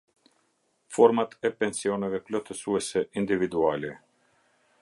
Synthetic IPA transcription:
fɔɾmat̪ɛpɛnsiɔnɛvɛklɔt̪əsuɛsɛʔind̪ivid̪ualɛ

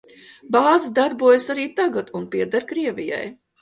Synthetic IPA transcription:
bɑːzid̪aɾbuɔjsaɾiːt̪aɡat̪unpiɛd̪aɾkɾiɛvʲija̰j

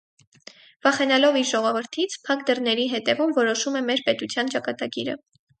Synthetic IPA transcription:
vɑχɛnɑlɔviɾʒɔʁɔvəɾt̪ʰit͡sʰpʰɑkd̪ərnɛɾiɦɛt̪ɛvumvɔɾɔʃumɛmɛɾpɛt̪ut͡sʰjɑnt͡ʃɑkɑt̪ɑɡiɾə̰

